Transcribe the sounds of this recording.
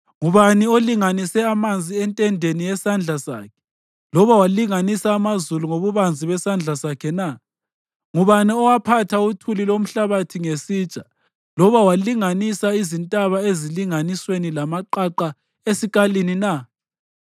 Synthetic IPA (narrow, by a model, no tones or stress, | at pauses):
ŋuβanioliŋanisɛamand͡zʱiɛntʼɛndʱenijɛsand͡ɮʱasa̰ːkʰɛ̥ | lɔβawaliŋanisaːmazuluŋoβuβand͡zʱiβɛsand͡ɮʱasakʰɛna | ŋuβaniɔwapʰatʰautʰulilom̩ɬaβatʰiŋesiːt͡ʃʼa | lɔβawaliŋanisaizintʼaβaeziliŋaniswenilamaǃaǃa | esiɣʼalinina